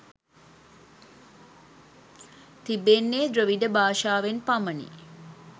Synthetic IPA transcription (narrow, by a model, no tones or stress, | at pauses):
t̪ibenːeːd̪ɾəʋiɖəbaːʃaːʋenpamənḭ